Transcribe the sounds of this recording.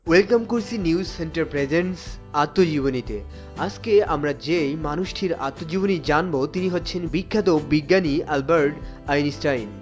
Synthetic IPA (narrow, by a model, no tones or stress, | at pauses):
welkamkoɾsʰiniuzːeɳʈaɾpɾed͡ʑens | at̪ːod͡ʑibonit̪e | ad͡ʑkeamɾad͡ʑejmanuʃʈʰiɾa̰t̪ːod͡ʑibonid͡ʑanbot̪iniɦotːɕʰenbikʰːat̪obiɡːanialbaɾɖ | ajnisʈajn